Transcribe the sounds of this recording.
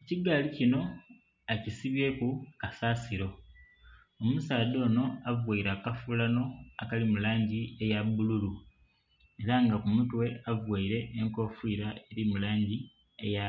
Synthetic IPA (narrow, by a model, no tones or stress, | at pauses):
eciɡaːlicino̞ | ecisiβje̞ːkukasaːsiɾo̞ | omusaːd̪o̞ːno̞avwaiɾakafulano̞akalimulaːɲɟie̞jaβululu | e̞ɾaŋɡakumutwe̞avwaiɾe̞ʔːŋko̞fiːɾae̞ɾimulaːɲɟi | eja